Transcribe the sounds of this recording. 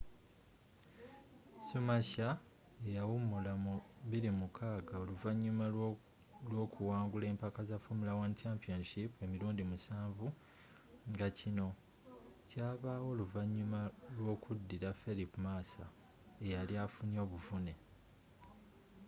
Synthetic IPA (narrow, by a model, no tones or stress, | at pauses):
sumaça | ejawumːulamuβiɾimukʰaːɡao̞luvaɲːuma | lwo̞ːkʰuwaːŋɡule̞ːmpakazafumilawant͡ʃampionʃipue̞miɾuːndimusaːɱvu | ŋɡacino̞ | caːβaːwo̞ːluvaɲːumalwo̞ːkʰudːiɾafe̞lipumaːsa̰ | e̞jaljaːfunio̞ːβuvune̞